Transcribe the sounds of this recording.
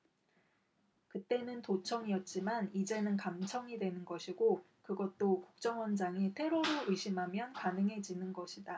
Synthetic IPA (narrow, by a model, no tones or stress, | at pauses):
kɯt͈e̞nɯntot͡ɕʰʌŋijʌt̚t͡ɕ͈imanid͡ʑe̞nɯnkamt͡ɕʰʌŋidwe̞nɯnɡʌɕʰiɡo | kɯɡʌt̚t͈okuk̚t͡ɕ͈ʌŋwʌnd͡ʑaŋitʰe̞ɾoɾoɯɕʰimɦamjʌnkanɯŋɦe̞d͡ʑinɯnɡʌɕʰida